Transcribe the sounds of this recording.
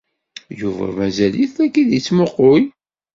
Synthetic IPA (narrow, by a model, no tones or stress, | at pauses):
juvæ̰mæzæliθækːiðit͡sːmoqːʊj